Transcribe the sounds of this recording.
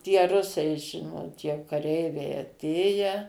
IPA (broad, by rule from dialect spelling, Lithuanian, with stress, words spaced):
tʲiɛ ˈrʊsɐɪ ˈʒʲɪnoːt jɛʊ kɐˈrʲɛɪʋʲɛɪ ɐˈtʲeːjɛ